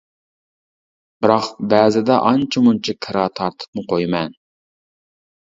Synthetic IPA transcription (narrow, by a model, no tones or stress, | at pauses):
b̥ɪɾɑqbæːzɪd̪ɛʔɑnt͡ʃʰimunt͡ʃʰikʰɨɾɑt̪ʰɑɾt̪ʰɨ̥pmɨqojmɛn